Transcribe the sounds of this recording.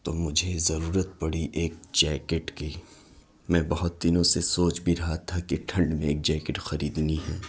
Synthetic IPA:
t̪oːmʊd͡ʒʱezɐɾuːɾət̪̚pɐɽiʔeːk̚d͡ʒɛːkeʈki | mɛ̃ːbɐɦʊt̪̚d̪iːnõsesoːt͡ʃbʱiɾɐɦat̪ʰakeʈʰɐ̃ɳɖmẽeːk̚d͡ʒɛːkeʈxɐɾiːd̪niɦɛː

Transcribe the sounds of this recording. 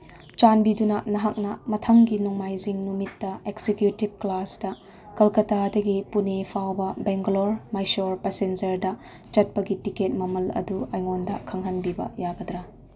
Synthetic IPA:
t͡ʃanbidunɐnɐɦak̚nɐmɐtʰɐŋɡinɔŋmajziŋnumitːɐeksekjutib̚klasdɐ | kɐlkɐtadɐɡipunepʰawbɐbeŋɡloɾmajsoɾpesend͡ʒɐɾdɐ | t͡ʃɐt̚pɐɡitiket̚mɐmɐlɐ̰duɐjŋondɐkʰɐŋɦɐnbibɐ̰jaɡɐd̪ɾɐ

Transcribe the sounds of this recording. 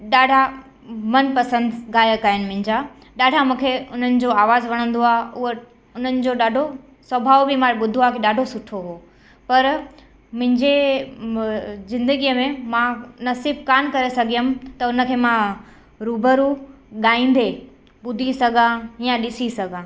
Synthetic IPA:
ɗaːɖʱa | mɐnpɐsə̃nd̪ɡaːjəkaːɪnɪ̆mʊ̃ɦɪ̃ɲd͡ʑa | ɗaːɖʱamũːkʰeʊn̤ənɪ̆d͡ʑoaːʋaːzʋɐɽ̃ə̃nd̪oaːɦʊɦo | ʊn̤ənɪ̆d͡ʑoɗaːɖʱo | swɐbʱaːʋbimãɓʊd̪ʱoakʰeɗaːɖʱosʊʈʰoɦoː | pɐɾ | mʊ̃ɦɪ̃ɲd͡ʑe | zɪ̃nd̪əɡijəmẽmãnɐsiːb̚kaːnkɐɾesɐɡʱijəmt̪ɐʊnə̆kʰeːmã | ɾuːbəɾu | ɠaːĩːnd̪e | ɓʊd̪ʱisɐɡʱãjãɗɪsisɐɡʱãː

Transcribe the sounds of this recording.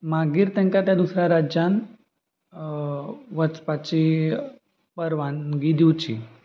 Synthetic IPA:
maɡiːɾt̪ɛ̃ŋkat̪jad̪usɾjaɾad͡ʑjan | ʋət͡spat͡ɕi | pəɾʋanɡid̪iwt͡ɕḭ

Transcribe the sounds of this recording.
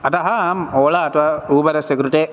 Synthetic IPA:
ɐt̪ɐɦɐmoːɭaːt̪ʋɐuːbɐɾɐsekɾuʈe

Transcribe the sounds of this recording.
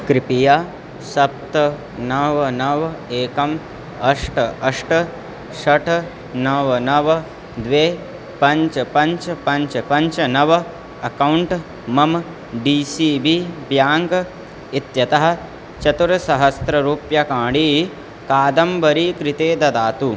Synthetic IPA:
kɾipijaː | sɐp̚t̪ɐ | nɐʋnɐʋeːkɐm | ɐʂʈɐʂʈ | ʃɐʈʰ | nɐʋɐnɐʋɐ | d̪ʋeː | pɐɲt͡ʃpɐɲt͡ʃpɐɲt͡ʃpɐɲt͡ʃnɐʋɐ | ɐkɐwuɳʈ | mɐm | ɖiːsiːbibjaːŋɡ | it̪jɐt̪ɐɦɐ̆ | t͡ʃɐt̪uɾɐsɐɦɐst̪ɾɐɾuːpjɐkaːɽi | kaːd̪ɐmbɐɾiːkɾɪt̪eːd̪ɐd̪aːt̪u

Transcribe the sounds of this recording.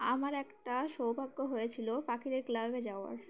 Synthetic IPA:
amaɾɛkʈaʃowbʱaɡːoɦojet͡ɕʰilopakid̪eɾklabed͡ʑaoa̰ɾ

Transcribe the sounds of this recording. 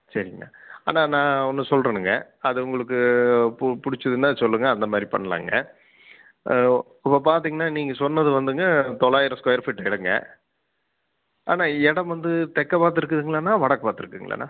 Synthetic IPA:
sɐɾɪŋɡɐ̰a̰ːnãːnãːɔnːɯsɔlrɐnɯŋɡɐ | ɐðɯʊŋɡɐɭɯk̬ːɯ | pʊɽɪt͡ʃːɐðɯnaːsɔlːɯŋɡɐːnd̪ɐmaːd̪ɾipɐ̰ɳːɐla̰ːŋɡɐ | ɪpːɐpaːɾt̪iːŋɡɐnːaːniːŋɡɐsɔnːɐðɯʋɐnd̪ɯŋɡɐt̪ɔɭaːjɪɾɐskɔjɐɾfɪʈːɐɪɽɐŋɡɐ̰ | a̰ːnaːɛɽɐmʋɐnd̪ɯt̪ɛkːɐpaːt̪̬ːɯɾɯkːɐðɯŋɡɐɭanaːʋɐɽɐkːɐpaːɾt̪ːɯɾɯkːɯŋɡɐɭɐ̰ːnːa̰ː

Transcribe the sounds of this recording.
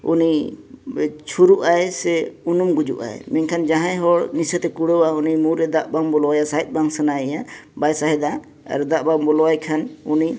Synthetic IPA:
ṵni | t͡ʃʰuɾuʔaesɛunumɡud͡ʒṵʔa̰ḛminkʰand͡ʒãɦãjɦɔɽnisət̪ɛkuɽɔwaunimuɾɛd̪aʔbaŋbɔlɔwajasait̪̚baŋsənaɛjabajsaɦɛd̪a | a̰ɾd̪aʔbaŋbɔlɔwajkʰanuni

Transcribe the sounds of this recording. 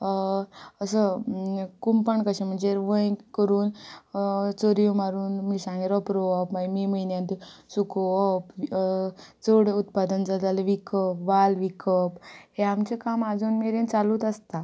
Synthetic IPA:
əsə | kumpəɳkəɕẽm̤əɳd͡zeʋəjkəɾuːn | t͡soɾijũmaɾuːnmisãŋɡeɾɔpɾoɔpmamiməjnjãnt̪usukoɔp | t͡soɽeut̪̚pad̪ənd͡zad͡zaləʋikəpʋalʋikəpɦeamt͡ɕekamad͡zuːnmeɾent͡salut̪əst̪a

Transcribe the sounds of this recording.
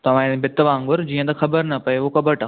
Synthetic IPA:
t̪ɐʋ̤ãbʱɪt̪ʋãːŋɡʊɾd͡ʑiːə̃t̪ɐxɐbəɾnɐpɐeokɐbəʈaː

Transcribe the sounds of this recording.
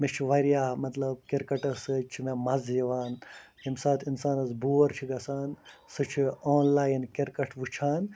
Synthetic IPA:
met͡ʃʰiʋɐɾjaːmɐt̪lɐb̚kiɾkɐʈɐsɨt͡ʃʰimemɐzjiʋaːnhimsɐt̪ʰinsaːnɐsbuːɐɾt͡ʃʰiɡɐsaːnsɨt͡ʃʰioːnlaːjnkiɾkɐʈʰʋut͡ʃʰaːn

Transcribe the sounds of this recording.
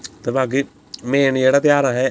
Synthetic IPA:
t̪ebaːɡi | mẽːnd͡ʒeːɽaːt̪ɪjaːɾaɦɛ

